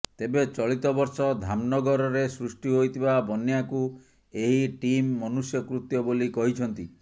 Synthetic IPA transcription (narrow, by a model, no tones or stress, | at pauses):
t̪ebet͡ʃɔɭit̪ɔbɔɾsɔd̪ʱamnɔɡɔɾɔɾesɾusʈiɦojt̪ʰibabɔnjaku | eɦiʈimːɔnusjɔkɾut̪jɔbolikɔɦit͡ʃʰɔnt̪i